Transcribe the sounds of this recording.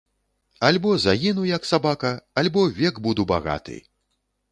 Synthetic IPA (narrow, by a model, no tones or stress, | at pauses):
alʲbɔzaɣʲinujɐksabakɐalʲbɔvʲɛɡbud̪uba̰ɣa̰t̪ɨ̰j